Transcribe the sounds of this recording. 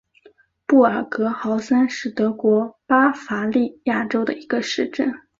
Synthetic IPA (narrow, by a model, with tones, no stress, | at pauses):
pu˥˩a˨˩kɤ˧˥xɑ˧˥ʊsa˥nʂɻ̩˥˩t̪ɤ˧˥kwɔ˧˥pa˥fa˧˥li˥˧ja˥˩ʈ͡ʂo˥ʊd̪ə̰˨i˧˥ɡə˧ʂɻ̩˥˧ʈ͡ʂə˥˩n